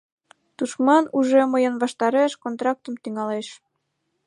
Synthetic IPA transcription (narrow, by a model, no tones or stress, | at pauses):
t̪uʃmɑnuʒeməjənβɑʃt̪ɑɾeʃkont̪ɾɑk̚t̪əmt̪yŋɑleʃ